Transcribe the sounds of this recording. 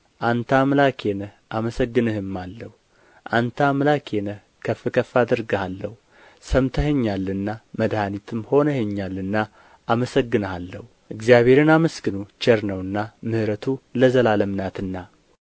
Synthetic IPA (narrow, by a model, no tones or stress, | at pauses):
ʔant̪ʰamlakʰenəhʔaməsəɡːɨnɨhɨmːalːəhu | ʔant̪ʰamlakʰenəh | kʰəfːɨkʰəfːad̪ɨɾɡəhalːəhu | səmt̪ʰəɦeɲːalːɨnːaməd̪hanit̪ʰɨmho̞nəheɲːalːɨnːaː | məsəɡːɨnəhalːəhu | ʔɨɡzijaβe̞ɾɨnaməsɡɨnut͡ʃɛɾnəwɨnːamɨhɾət̪ʰuləzəlaləmnat̪ɨnːa